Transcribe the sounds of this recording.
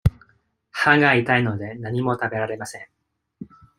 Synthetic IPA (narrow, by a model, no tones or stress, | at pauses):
hãŋɡait̪aino̞d̪e̞naɲ̟imo̞t̪abe̞ɾaɾe̞masẽ̞ŋ